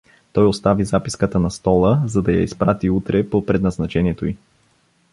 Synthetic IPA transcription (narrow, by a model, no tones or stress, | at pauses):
t̪ɔjost̪avizapiskət̪ənɐst̪ɔlˠəzɐd̪ɐja̰ispɾat̪iut̪ɾɛpopɾɛd̪nɐznɐt͡ʃɛniɛt̪oi